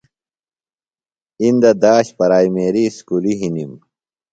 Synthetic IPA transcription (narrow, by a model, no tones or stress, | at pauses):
ind̪ɐd̪aːɕpɐɾaːjmeːɾiskuliɦinim